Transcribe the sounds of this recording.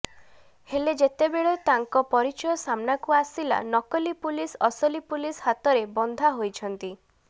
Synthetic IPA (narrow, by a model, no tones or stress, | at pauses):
heled͡ʒet̪ebeɭet̪aŋkɔpɔɾit͡ʃɔjɔsamnakuasila̰nɔkɔlipulisɔsɔlipulisɦat̪ɔɾebɔnd̪ʱaɦojt͡ʃʰɔnt̪i